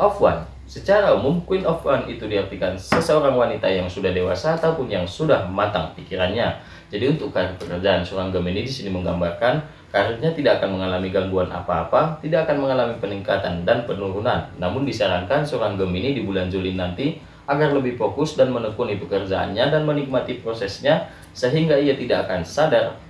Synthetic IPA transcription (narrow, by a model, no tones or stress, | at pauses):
ʔɔfwa̰n | sət͡ʃaɾaumʊmkuinɔfwanit̪udiɦart̪ikansəsəoɾaŋwanit̪ajaŋsudahdewa̰saːt̪aupʊnjaŋsudahmat̪aŋpikiɾanɲa | d͡ʒadiunt̪ʊkːaɾ̚pəkərd͡ʒaansoɾaŋɡəminidisiniməŋɡambarkan | kaɾuɲat̪idaʔːkanməŋalamiɡaŋɡuanʔa̰paːpat̪idaːkanməŋalamipəniŋkat̪andanpənuɾunanːamʊndisaɾaŋkansoɾaŋɡəminidibuland͡ʒulinant̪i | aɡarləbɪhfokʊsdanmənəkunipəkərd͡ʒaa̰nɲadanmənik̚mat̪ipɾosɛsɲa | səɦiŋɡaiat̪idaʔːkansadar